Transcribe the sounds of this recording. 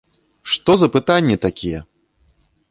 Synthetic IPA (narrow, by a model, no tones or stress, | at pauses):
ʂt̪ɔzɐpɨt̪anʲːit̪akʲijɛ